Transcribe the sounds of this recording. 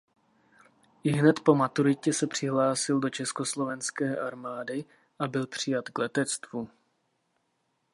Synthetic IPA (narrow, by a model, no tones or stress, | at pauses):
ɪɦnɛt̪po̞mat̪uɾɪcɛsɛpr̝̥ɪɦlaːsɪldo̞t͡ʃɛsko̞slo̞vɛnskɛːʔaɾmaːdɪ | ʔabɪlpr̝̥ɪjat̪klɛt̪ɛt͡st̪vu